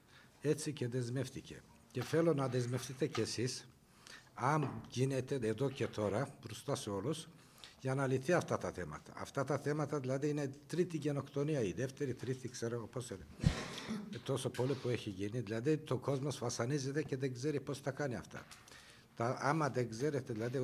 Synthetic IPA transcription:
e̞t͡sice̞ðe̞zme̞ft̪ice̞̰ | ce̞fe̞lo̞nɐðe̞zme̞fθit̪e̞ce̞sis | ɐmʝine̞t̪e̞eðo̞ce̞t̪ʰo̞ɾɐpɾust̪ɐseo̞lus | ʝɐnɐliθiɐft̪ɐt̪ɐθe̞mɐ̰t̪ɐ̰ːft̪ɐt̪ɐθe̞mɐt̪ɐðilɐðiinet̪ɾit̪iʝe̞no̞kt̪o̞niɐiðeft̪e̞ɾit̪ɾit̪ikseɾoɣopose | t̪o̞so̞po̞lipueçiʝiniðilɐðit̪o̞ko̞zmosvɐsɐnize̞t̪e̞ceðeɡze̞ɾipo̞st̪ɐkɐniɐ̰ft̪ɐ̰ | t̪ɐɐmɐðeŋɡze̞ɾe̞t̪e̞ðilɐði

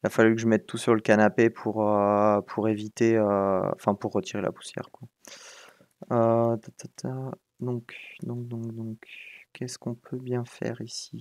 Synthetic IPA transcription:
ilafalykəʒəmɛt̪ːusyʁləkanapepʰuʁøpʰuʁevit̪eøɑ̰̃fɛ̃puʁːət̪ʰiʁela̰pu̥sjɛ̰ʁkwa | øt̪at̪ʰat̪ʰa | d̪ɔ̃kd̪ɔ̃k̚d̪ɔ̃kd̪ɔ̃kkɛskɔ̃pʰøbjɛ̃fɛ̰ʁisi

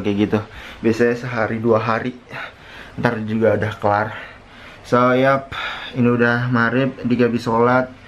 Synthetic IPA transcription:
kɛɡit̪ubiasajasəɦaɾiduaɦaɾi | nt̪ard͡ʒuɡaudahkəlar | sajap̚iniudahmaɾɪp̚diɡabisolat̪̚

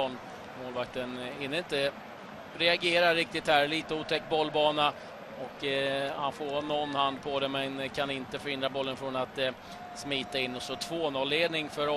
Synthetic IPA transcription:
ɳ | moːlvak̚t̪ənɪnːɪnt̪ə | ɾɛaɡeːɾaɾɪk̚t̪ɪt̪hæɾliːt̪əuːt̪ʰɛkːbɔlːbɑːna | ɔkːhanfoːɾnːɔnːhand̪pʰɔd̪ɛmɛnkʰanɪnt̪əfœɾɪnd̪ɾabɔlːənfɾɔnat̪ | smiːt̪aɪnːɔsɔt̪ʰvoːnɔlːeːd̪nɪŋfœɾ

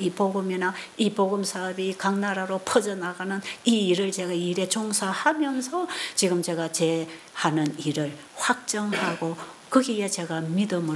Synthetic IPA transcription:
ipoɡɯminaipoɡɯmsʰabikaŋnaɾaɾopʰʌd͡ʑʌnaɡanɯniːɾɯɭt͡ɕe̞ɡaiɾe̞t͡ɕoŋsʰahamjʌnsʰʌt͡ɕiɡɯmt͡ɕe̞ɣat͡ɕe̞ | hanɯniɾɯɭ | ɸwak̚t͡ɕ͈ʌŋhaɡokɯɡiet͡ɕe̞ɡamidɯmɯ

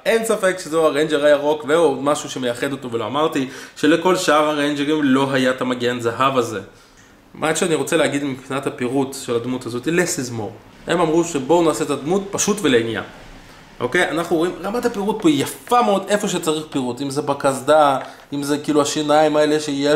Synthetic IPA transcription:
e̞nsafe̞kʃezoaʁejnd͡ʒeʁajaʁo̞kveodmaʃuʃemejaχe̞d̪otoveloamaʁt̪iʃe̞leko̞lʃaaʁaʁejnd͡ʒeʁimlo̞ɦajat̪amaɡenzaɦavazḛ | mʔakʃeaniʁo̞t͡seleaɡid̪mipχinathapiʁutʃe̞lad̪mutazo̞t̪ilesizmo̰ʁ | emamʁuʃebo̞naːset̪ad̪mutpaʃutvelenja̰ | ʔo̞̰ke̞janaχnuoimʁamathapiʁut̚poijafameo̞d̪e̞fo̞ʃ̬et͡saʁiχpiʁutimzebakazd̪a | imzekiːluaʃinaimae̞le̞ʃeije

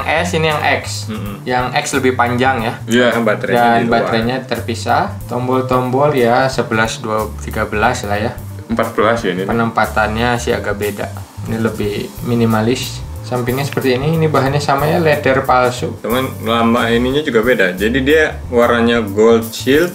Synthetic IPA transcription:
ŋʔɛsinijaŋʔɛks̩ | jaŋɛksləbɪhpaɲd͡ʒaŋjaaabat̪ɾadainbaɾaɲat̪ərpisat̪ɔmbɔlt̪ɔmbɔljasəbəlasduat̪iɡabəlaslahja | əmpat̪̚b̥əlasjanipənəmpat̪anɲasɪɦa̰ɡaʔbeda̰ | iniləbɪhminimalɪs | sampiŋɲasə̥pərt̪iːniːnibaɦanɲasamajalɛdərpalsut͡ʃəmanlambainiɲad͡ʒuɡabedad͡ʒadidia | waɾaɲaɡoldt͡ʃilt̪̚

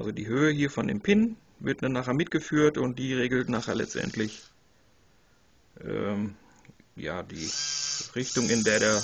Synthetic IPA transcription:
ʔalzodḭːɦøːəhiːɐfɔndḛːmpʰɪn | vɪɐt̚danːaːχeːɐmɪt̚ɡ̥əfyːɐtʊntd̥iːʁeːɡl̩tnaːχeːɐlɛ̰t͡stʔɛ̰ntʰlɪç | ʔɛ̰ː | ja̰ːdḭːʁɪçtʊŋɪndeːɐdeːɐ

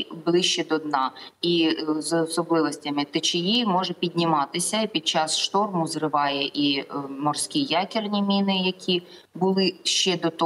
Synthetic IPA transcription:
blˠɪʃt͡ʃɛd̪ɔd̪nɑizɔsɔblˠɪʋɔsʲtʲɐmɪt̪ɪt͡ʃɪjimɔʒɛpʲid̪ʲnʲɪmɑt̪ɪsʲɐpʲid̪̚t͡ʃɑsʃt̪ɔrmʊzrɪʋɑjɛʔimɔrsʲkʲijɑkʲɪrnʲimʲinɪjɐkʲʰi | bʊlˠɪʃt͡ʃɛd̪ɔt̪ɔ

